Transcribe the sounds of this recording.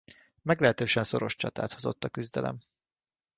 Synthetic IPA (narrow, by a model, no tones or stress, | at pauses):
mɛɡlɛɦɛt̪øːʃɛnso̞ɾo̞ʃt͡ʃɒt̪a̰ːt̪hozo̞t̪ːɒkyzd̪ɛlʔɛ̰m